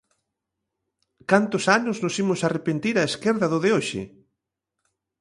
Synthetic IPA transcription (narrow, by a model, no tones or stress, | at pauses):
kant̪ʊsanʊznʊsimʊsarepent̪iɾaeskeɾðɐðoðeoʃɪ̰